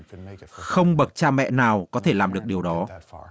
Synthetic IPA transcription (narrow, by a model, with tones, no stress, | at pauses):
xə˧wŋ͡mɓə˨˩t̚t͡ɕaː˧mɛ̰˧˨naː˨˩wkɔ˨˦t̪ʰe˧˩laː˨˩mɗɨ˨˩ək̚ɗi˨˩əwɗɔ˨˦